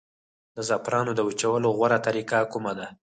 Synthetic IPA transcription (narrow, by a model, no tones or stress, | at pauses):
d̪əzapɾɑnod̪əwut͡ʃawəloɣwaɾat̪aɾikakumad̪a